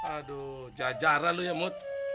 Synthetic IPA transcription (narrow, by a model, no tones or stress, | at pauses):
ado | d͡ʒad͡ʒaɾalujamʊt̪̚